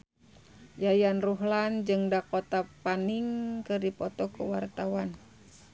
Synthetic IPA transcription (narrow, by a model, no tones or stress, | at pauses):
jajanruɦland͡ʒɨŋdakot̪apaniŋkɨrdipɔt̪ɔkəwart̪awan